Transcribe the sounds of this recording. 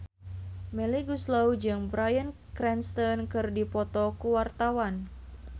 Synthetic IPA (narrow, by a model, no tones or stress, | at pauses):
mɛliɡuslawd͡ʒɨŋbɾajən | kɾɛnst̪ɔnkɨrdipɔt̪ɔkuwart̪awan